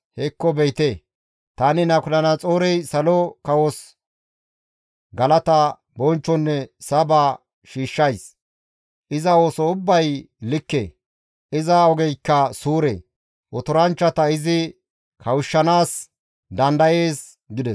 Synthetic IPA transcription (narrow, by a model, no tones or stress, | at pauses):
hɛkːɔbɛjt̪eː | t̪anɪnɐkʊlɐnɐt͡sʼoːɾɛjsɐlɔkɐwɔs | ɡɐlɐt̪ɐ | bɔnt͡ʃːɔnːɛsɐba | ʃiːʃːɐjs | ʔɪzɐoːsɔʊbːɐj | lɪkːḛː | ʔɪzɐɔɡɛjkːɐsuːɾḛ | ʔɔt̪ʊɾɐnt͡ʃːɐt̪ɐɪzɪ | kʰɐwʊʃːɐnaːs | d̪ɐnd̪ɐje̞ːs | ɡɪd̪ɛs